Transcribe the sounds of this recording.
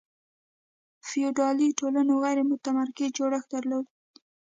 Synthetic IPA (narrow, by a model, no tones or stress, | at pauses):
fijoɖɑliʈolanoɣajɾemʊt̪amaɾkɪzd͡ʒoɽəxd̪aɾlod̪